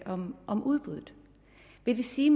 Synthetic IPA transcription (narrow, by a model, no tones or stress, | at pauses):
ʔɒmʔɒ̽mʔuð̞ˠb̥uðˠð̩ˠ | ʋe̝d̥esiːm